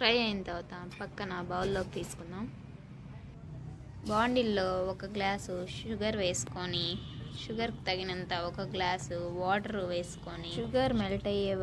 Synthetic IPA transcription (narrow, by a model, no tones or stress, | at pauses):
ʈɾɐjɐjint̪ɐwt̪aːmpɐkːɐnɐbɐwulːoːkt̪iːsu̥kunːaːm | baːɳɖilːo̞ːɔkɐɡlaːsuʃuɡɐɾʋeːsu̥koniʃuɡɐɾki̥t̪ɐɡinɐnt̪ɐɔkɐɡlaːsuʋaːʈɐɾuʋeːsu̥koniʃuɡɐɾmɛlɐʈɐjeː